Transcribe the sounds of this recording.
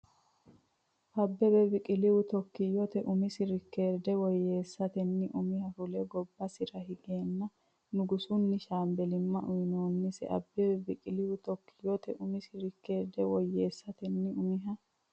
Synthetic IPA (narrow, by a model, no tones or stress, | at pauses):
ʔɐbːɛbɛbɪkʼɪlɪwʊt̪ɔkːɪjːɔt̪ɛʔʊmɪsɪɾɪkːe̞ːɾd̪ɛwɔjːe̞ːsːɐt̪ɛnːɪʔʊmɪhɐfʊlɛɡɔbːɐsɪɾɐhɪɡe̞ːnːɐ | nʊɡʊsʊnːɪʃaːmbɛlɪmːɐʔʊjɪnoːnːɪsɛ̰ʔɐ̰bːɛbɛbɪkʼɪlɪwʊt̪ɔkːɪjɔt̪ɛʔʊmɪsɪɾɪkːe̞ːɾd̪ɛwɔjːeːsːɐt̪ɛnːɪʊmɪɦɐ